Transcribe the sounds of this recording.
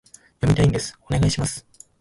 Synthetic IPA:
jo̞mʲit̪aĩnd̪e̞sɨ̥o̞ne̞ɡaiɕimasɨ̥

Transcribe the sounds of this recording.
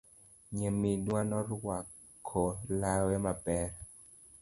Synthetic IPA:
ɲəminuanɔɾuwa | kʰolawemapɛːɾ

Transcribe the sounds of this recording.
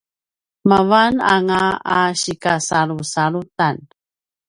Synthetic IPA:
mavana̰ŋaaɕikasaɾusaɾutan

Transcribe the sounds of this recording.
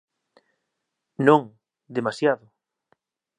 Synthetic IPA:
nõŋ | d̪emasjaðʊ

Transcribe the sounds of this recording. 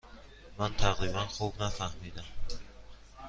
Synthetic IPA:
mant̪ʰaʁlimanχubnafahmid̪am

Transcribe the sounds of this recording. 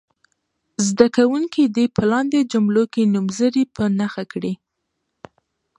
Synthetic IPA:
zd̪akawuŋkid̪ipəlɑnd̪ed͡ʒʊmlokenumzəɾipənaxakɽi

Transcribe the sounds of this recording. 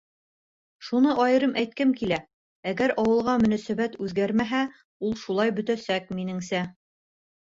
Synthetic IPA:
ʃunɤʔɑjɤ̆ɾɤmʔæjt̪̚kɘmkilæ | æɡæɾɑwɤ̆lˠʁɑmɵ̆næsæbæt̪ʉðɡæɾmæɦæ | ulˠʃulˠɑjbɵ̆t̪æsæk̚minɘŋsæ

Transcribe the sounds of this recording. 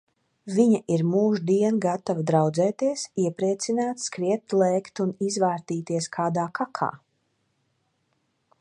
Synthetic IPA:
viɲaʔiɾmuːʒd̪iɛnɡat̪avad̪ɾawd̪zɛːt̪iɛsiɛpɾiɛt̪sinaːt̪skɾiɛt̪t̪lˠɛːkt̪unizvaːɾt̪iːt̪iɛskʰaːd̪aːkʰakʰa̰ː

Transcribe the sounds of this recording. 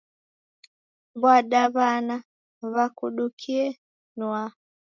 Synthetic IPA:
bwaɗaβana | βakuɗukʰiɛ | nwa

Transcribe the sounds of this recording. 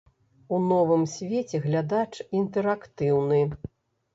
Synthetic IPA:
unɔvɨmsʲvʲet͡sʲɛɣlʲad̪at͡ʂint̪ɛɾakt̪ɨwnɨ

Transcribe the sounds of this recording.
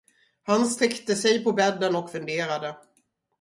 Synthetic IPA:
hanst̪ɾɛkt̪əsɛjpɔbɛd̪ːənɔkfɵnd̪eːɾad̪ə

